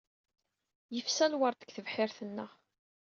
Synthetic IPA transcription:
jəfsælwəɾˤt̪ə̥kθəvħɪɾθənːəʁ

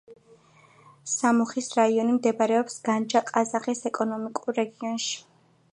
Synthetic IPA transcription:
samɔχisɾaiɔnimd̪ɛbaɾɛɔpsɡ̥and͡ʒaqʼazaχisɛkʼɔnɔmikʼuɾːɛɡiɔnʃi̥

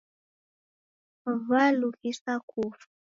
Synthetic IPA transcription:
valukisakʰufḁ

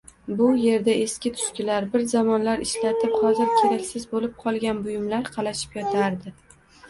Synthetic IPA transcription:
bʊje̞ɾd̪ae̞skʲɪt̪ʰʊ̥ʃkʲɪlaɾbɪɾzamɒnlaɾɪʃlat̪ʰɪpχɒzɪɾkʲʰe̞ɾakʲsɪzbolɪp̚qʰɒlˠɡʲanbʊjɪmlaɾqʰɑlˠaʃɪ̥pjɒt̪ʰaɾd̪ɪ

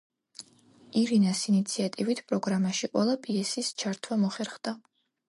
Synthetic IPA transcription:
iɾinasinit̪sʰiat̪ʼivit̪ʰpʼɾɔɡɾamaʃiqʼwɛ̰lˠapʼiɛsist͡ʃʰaɾt̪ʰwamɔχɛɾχd̪̥a

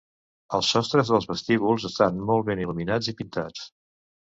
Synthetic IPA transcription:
əlˠsːɔst̪ɾəzðəlˠzβəst̪iβulˠzəst̪anmɔlˠβeniluminad͡zipint̪at͡s

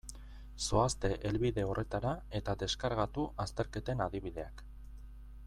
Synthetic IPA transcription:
so̞ast̪e̞ʔelβiðe̞o̞re̞t̪aɾae̞t̪ad̪e̞skaɾɣat̪uʔast̪e̞ɾke̞t̪e̞naðiβið̞e̞ak

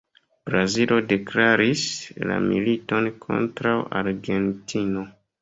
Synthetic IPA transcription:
b̥ɾazilo̞de̞klaɾisla̰mḭlito̞nkʰo̞̰ntɾawʔaɾɡe̞ntʰino̞

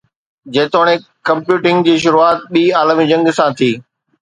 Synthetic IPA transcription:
d͡ʑɐ̃ːt̪oːɽ̃ekɐ̃mpjuːʈɪ̃ŋɡd͡ʑiːʃ̬ʊɾuaːt̪̚ɓiːaːləmid͡ʑɐ̃ŋɡsãt̪ʰiː

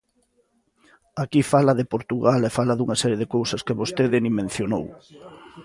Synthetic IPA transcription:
akifalɐðepoɾt̪uɣalefalɐðuŋasɛɾjeðekowsɐskeβost̪eðɪnimẽn̟θjonow

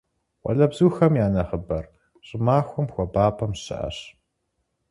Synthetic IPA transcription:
wɔ̰ɮɐbzuːxɐmjaːnɐχəbɐr | ɕʼɪmaːxʷʊmxʷɔbaːpʰɐmɕɪ̰ʔɐ̰ɕ

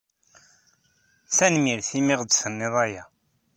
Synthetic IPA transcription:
t͡sænmiɾθimɪʁd̪sənːɪðˤæja

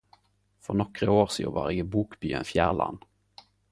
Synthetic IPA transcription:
fœnɔkɾəoːɾsiːvɑ̰ɾɪɡəbuːkbyːə̰nfjæːʁɭa̰n

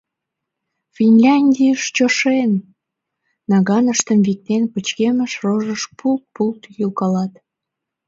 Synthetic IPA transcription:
fʲinʲlʲɑnʲdʲiəʃt͡ɕoʃen | ɑɣɑnəʃt̪əmvik̚t̪enpət͡ɕkeməʃroʒəʃpʰult̪̚pulˠt̪julkɑlɑt̪

